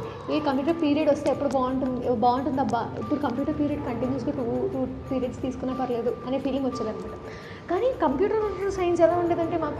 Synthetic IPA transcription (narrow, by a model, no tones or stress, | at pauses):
eːkɐmp̬juːʈɐɾpiːɾiɐɖʋɐst̪eːɐpːuɽubaːuɳʈunbaːuɳʈund̪ɐbːɐḭpːuɽukɐmpjuːʈɐɾpiːɾijɐɖkɐɳʈinjuːs̬kɐʈuːʈuːpiːɾijɐɖst̪iːsu̥kunːaːpɐɾɐle̞ːd̪uɐneːpiːliŋɡʋɐt͡ʃːɐːd̪ɐnɐmaːʈɐ | kaːnikɐmpjuːʈɐɾnɐnusɐjnsɛlaːuɳɖeːd̪ɐɳʈe̞ːmaːk